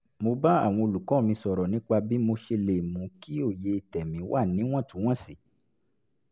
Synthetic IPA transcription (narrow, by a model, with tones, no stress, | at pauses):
mo˧ba˦a̰˦˨w̃ɔ̃˧o˧lu˨kɔ̃˨˦˨mĩ˧sɔ˨ɾɔ˨nĩ˨˦k͡pa˧bi˦mo˧ʃe˧le˨mũ˨˦ki˦o˦˨je˧i˧tɛ˨mĩ˨˦wʔa˦˨nĩ˨˦w̃ɔ̃˦˨tũ˨˦w̃ɔ̃˦˨si˨